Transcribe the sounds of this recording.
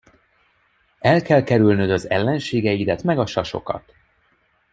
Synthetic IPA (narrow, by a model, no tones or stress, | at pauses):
ɛlkɛlkɛɾylnød̪ɒzɛlːɛnʃeːɡɛjid̪ɛt̪mɛɡɒʃɒʃo̞̰kɒ̰t̪